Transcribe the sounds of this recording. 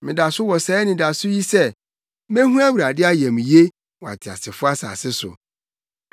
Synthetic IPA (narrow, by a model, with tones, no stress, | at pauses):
mɪ̃˨da˨sʊ˦wɔ˨sɛ˨˦nɪ̃˨da˨sʊ˦ji˦sɛ˦ | mɛ̃˦ɦũ˦æ˦wu˨ɾa˨dɪ˦a˦jɛ̃˨m̃˨je˦ | wɔ˨a̰˨tʰɪ˨a̰˨sɪ˨fʊ˦a˦sa̰ː˨sɪ˦sʊ̰˨